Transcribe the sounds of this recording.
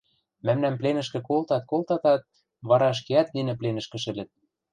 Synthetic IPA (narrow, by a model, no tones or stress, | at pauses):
mæmnæmplenɘ̆ʃkɘ̆kolt̪ɑt̪̚kolt̪ɑt̪ɑt̪̚ | βɑɾɑəʃ̬keæt̪ninɘ̆plenɘ̆ʃkɘ̆ʃɘ̆lɘ̆t̪̚